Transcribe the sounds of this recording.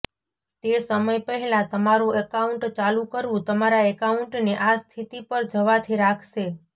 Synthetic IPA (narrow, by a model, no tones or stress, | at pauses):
t̪esəməjpəɦɛlat̪əmaɾuekauɳʈt͡ʃalũkəɾʋũt̪əmaɾaekauɳʈneʔast̪ʰit̪ipəɾd͡ʒəʋat̪ʰiɾakʰʃe